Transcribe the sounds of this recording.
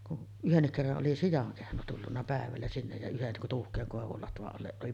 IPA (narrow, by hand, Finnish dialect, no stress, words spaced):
kun yhenːik kerːɑʔ ʔoli sijɑŋ kehno tulːunːɑ pæˑeʋælːæ sinːej jɑ yhen tuːhkˑeːŋ koˑeʋul lɑtʋɑʔ ʔɑlːeʔ ʔoli